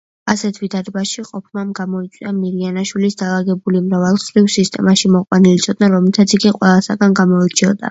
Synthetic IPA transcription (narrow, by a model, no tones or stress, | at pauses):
asɛt̪ʰvid̪ad̪ɛbaʃiqʼɔpʰmamɡamɔit̪sʼiamiɾianaʃwilisd̪alˠaɡɛbulimɾavɛlˠχɾivsist̪ʼɛ̰maʃimɔqʼwanilit̪sʰɔd̪̥̚naɾɔmɛt̪ʰat̪sʰiɡiqʼwɛlˠasaɡanɡamɔit͡ʃʰiɔd̪a̰